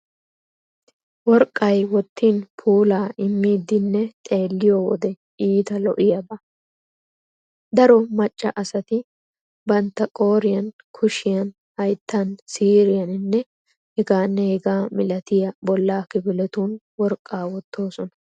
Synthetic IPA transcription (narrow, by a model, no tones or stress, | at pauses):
wɔɾkʼːɐjwɔt̪ːiːnpʰuːlaːɪmːiːd̪ːɪnːɛt̪ʼe̞ːlːɪjɔwɔ̰d̪ɛ | iːt̪ɐlɔ̰ʔɪjɐbɐ | d̪ɐɾɔmɐt͡ʃʼːɐʔɐsɐt̪ɪ | bɐnt̪ːɐkʼo̞ːɾɪjɐn | kʰʊʃɪjɐn | hɐjt̪ːansiːɾɪjɐnɪnːɛ | hɛɡaːnːɛhɛɡaːmɪlɐt̪ɪjɐbɔlːaːkɪbɪlɛt̪uːn | wɔɾkʼːaːwɔt̪ːo̞ːsɔnɐ̥